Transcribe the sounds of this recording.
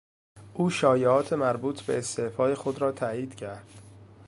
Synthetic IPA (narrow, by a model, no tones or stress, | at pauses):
ʔuːʃɒːjeɒːt̪ʰe̞mæɾbuːt̪ʰbe̞̰ːst̪efɒːje̞xo̞d̪ɾɒːt̪ʰæjiːd̪̥cʰæɾd̪̥